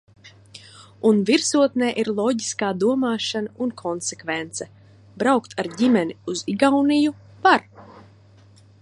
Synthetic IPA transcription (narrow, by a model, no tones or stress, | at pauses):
unviɾsuɔt̪nɛːʔiɾlˠɔɟiskaːd̪uɔmaːʃanaunkʰɔnsekvent̪sɛ | bɾawkt̪ʰaɾɟimɛniuziɡawniju | vaɾ